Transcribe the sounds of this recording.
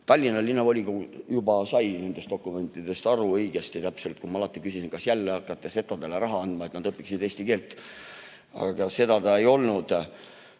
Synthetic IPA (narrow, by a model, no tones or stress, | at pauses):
t̪ɑlʲːinːɑlːinːɑvo̞lʲikujubɑsɑjne̞nd̪̥est̪o̞kːˑume̞nt̪ˑːid̪e̞st̪ɑɾuɤjɡ̥est̪it̪æpselt̪̚kumɑɑlɑt̪ːˑikysisinkɑsjælːeɑkːˑɑt̪ːˑese̞t̪ːˑod̪eleɾɑɦɑɑnd̪̥mɑe̞t̪nɑd̪̥ɤpːiksid̪e̞ːst̪ike̞ːlt̪ːˑ | ɑ̰ɑɡ̥ɑse̞d̪ɑt̪ɑe̞jo̞lnud̪̥